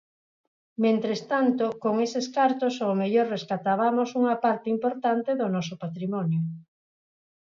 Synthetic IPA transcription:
mẽnt̪ɾest̪ant̪okoŋeseskaɾt̪osoːmeʎoɾreskat̪aβ̞amosuŋapaɾt̪eimpoɾt̪ant̪eðonɔsopat̪ɾimɔnjo

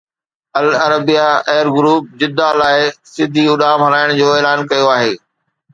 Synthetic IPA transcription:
ɐlɐɾəbijaɛːɾɡʊɾuːp̚d͡ʑɪd̪alaːɪsɪd̪ʱiʊɗaːmɦɐɾaːɪɽ̃d͡ʑoːeːlaːnkɐjoaːɦeː

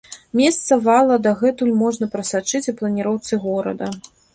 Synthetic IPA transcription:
mʲest̪sɐvalˠɐd̪ɐɣɛt̪ulʲmɔʐnɐpɾɐsat͡ʂɨt͡sʲuplˠɐnʲiɾɔwt̪sɨɣɔɾɐ̰d̪ɐ

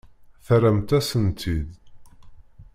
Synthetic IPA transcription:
θæɾəmt̪æsənt̪ʰid̪

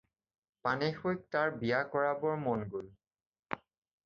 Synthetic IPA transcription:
panexojk̚taɹbijakɔɹabɔɹmɔnɡol

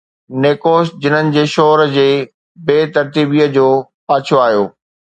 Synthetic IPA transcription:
neːkoːsd͡ʑɪn̤ənɪ̆d͡ʑeːʃoːɾd͡ʑeː | beːt̪ɐɾt̪iːbiːəd͡ʑoː | paːt͡ɕʰoaːɦjo̰ː

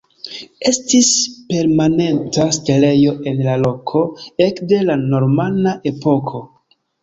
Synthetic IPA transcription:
e̞stispe̞ɾmane̞ntastele̞jo̞ʔe̞nlalo̞kʰoe̞kde̞lano̞ɾmanaʔe̞po̞kʰo̞

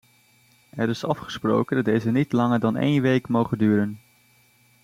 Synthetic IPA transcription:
ɛɾɪsɑfχə̥spro̰wkəndɑtdejzənitlɑŋəɹdɑnḛjnʋejkmowχəndyːɾən

